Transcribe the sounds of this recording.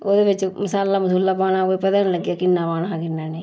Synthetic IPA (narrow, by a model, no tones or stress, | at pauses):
oːd̪eːʋɪt͡ʃːmɐsaːlːaːmɐsuːlːaːpaːñaːkoːipɐd̪aːnləɡijaːkɪnːaːpaːnakɪnːaːne